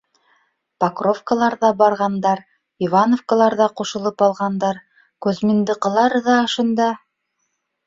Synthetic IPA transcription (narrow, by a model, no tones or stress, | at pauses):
pakrofkəlˠɑɾðɑbɑɾʁɑnd̪ɑɾ | ivɑnofkəlˠɑɾðɑquʃɤ̆lˠɤpɑlˠʁɑnd̪ɑɾ | kʉzmĭnd̪ɤ̆qɤ̆lˠɑɾðɑːʃɤ̆nd̪ɑ